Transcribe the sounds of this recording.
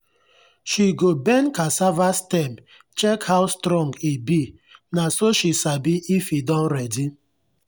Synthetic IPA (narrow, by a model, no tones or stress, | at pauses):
ʃiɡobɛnkasavastɛm | t͡ʃɛkhawstɾɔ̃ŋɡibi | nasoʃisabiifidɔ̃nɾɛdi